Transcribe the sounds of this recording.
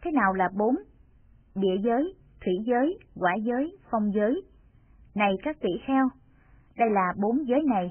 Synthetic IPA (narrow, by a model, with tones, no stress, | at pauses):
t̪ʰe˨˦naː˨˩wlaː˨˩ɓo˨˦n | ɗḭ˧˨əzəː˨˦j | t̪ʰwḭ˧˩˥zəː˨˦jkwaː˧˩zəː˨˦jfɔ˧wŋ͡mzəː˨˦j | na˨˩jkaː˦˥k̚t̪ḭ˧˩xɛ˧w | ɗə˧jlaː˨˩ɓo˨˦nzəː˨˦jna˨˩j